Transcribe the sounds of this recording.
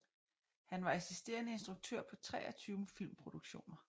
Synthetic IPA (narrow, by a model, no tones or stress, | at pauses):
hænʋɑ̈esisd̥e̝̰ːɐnəe̝nsd̥ʁuɡ̥̚t͡sʰøɐ̰pʰɒ̽t͡sʰʁɛ̰ːɐt͡sʰyːʊəfil̰mpʰʁo̝d̥uɡ̥ɕo̝̰ːnɐ